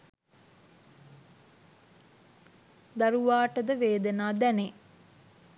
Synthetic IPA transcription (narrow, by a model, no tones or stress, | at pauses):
d̪aɾuʋaːʈəd̪əʋeːd̪ənaːd̪ɛne